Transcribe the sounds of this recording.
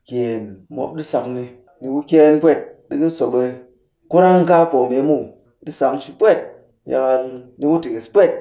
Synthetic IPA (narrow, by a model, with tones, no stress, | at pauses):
ke˨nmo̰˦p̚ɗi˦sa˧kni˧ | ni˧ku˦kʲe˦npʷe˦˨t̚ɗi˦ki˦so˨ke˧ | ku˦ɾa˦ŋ˦ka˦po˨me˨˦mu˦˨ | di˦sa˨˧kʃi˧pʷe˦˨t̚ | ja̰˧ka˧ldi˦mu˦ti˨ki˨spʷe˦˨t̚